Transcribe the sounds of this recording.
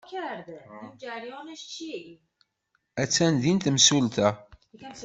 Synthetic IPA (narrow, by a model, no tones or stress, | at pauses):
kʰæɾd̪imd͡ʒæɾjɑnəʃt͡ʃʰi | æt͡sːænðint̪msult̪ækæm